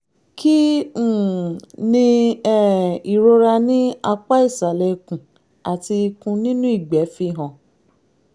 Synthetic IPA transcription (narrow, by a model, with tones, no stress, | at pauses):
kĩ˦˨ | nĩ˧ɛ˦˨i˨ɾo˧ɾa˧nĩ˦a˧k͡pa˦i˦˨sa˨lɛ˧˨˧kũ˨ | a˨ti˧kũ˧nĩ˦nũ˦i˦˨ɡ͡bɛ˨˦fi˧˨ɦɔ̃˨